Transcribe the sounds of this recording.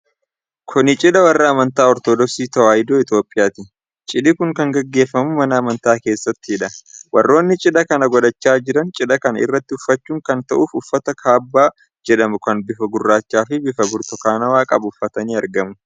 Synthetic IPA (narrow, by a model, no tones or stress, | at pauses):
kʰʊnɪt͡ʃʼɪᶑɐwɐrːɐːmɐnt̪aːɔɾt̪od̪ɔksiːt̪ɐwaːjd̪oːɪt̪jo̞ːpʼːɪjaːt̪ɪ | t͡ʃʼɪᶑɪkʊŋkɐŋɡɐɡːe̞ːfːɐmʊmɐnɐːmɐnt̪aːke̞ːsːɐt̪ːɪɪᶑɐwɐrːo̞ːnːɪt͡ʃʼɪᶑɐkɐnɐɡɔᶑɐt͡ʃːaːd͡ʒɪɾɐnt͡ʃʼɪᶑɐkɐnɐɪ̰rːɐt̪ːɪʊfːɐt͡ʃːuːŋkɐnt̪ɐʔuːfʊfːɐt̪ɐkʰaːbːaː | d͡ʒɛᶑɐmʊkɐnbɪfɐɡʊrːaːt͡ʃːaːfɪbɪfɐbʊɾt̪ɔkaːnɐwaːkʼɐbʊfːɐt̪ɐniːɐɾɡɐmʊ